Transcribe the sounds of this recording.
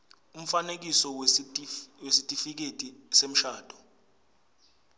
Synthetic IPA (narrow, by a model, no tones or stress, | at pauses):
um̩fanek̬isɔw | wesitʼifik̬etʼisem̩ʃaːd̥ʱɔ